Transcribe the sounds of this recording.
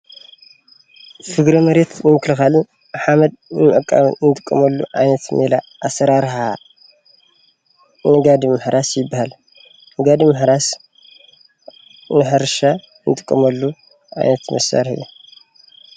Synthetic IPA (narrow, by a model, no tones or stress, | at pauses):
fɨɡɾɐmɐɾet̪nɨmɨklɨxalɨn | ħamɐd̪̚nmɨʔɐkʼːa̰mɨnnɨt̪ʼɨkʼːɐmɐlːṵʔa̰jnɐt̪melaʔasɐɾaɾħa | nɨɡad̪imɨħɾasjɪbːahal | nɨɡad̪imɨħɾas | nɨħɨɾʃa | nt̪ʼɨ̥kʼːɐmɐlːu | ʔa̰jnɐt̪mɐsa̰ɾħḭju